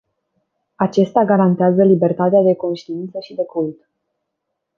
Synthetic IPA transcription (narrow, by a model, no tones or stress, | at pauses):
at͡ʃe̞st̪aɡaɾant̪eazəlibe̞rt̪at̪ead̪e̞ko̞nʃt̪iint̪səʃid̪e̞kult̪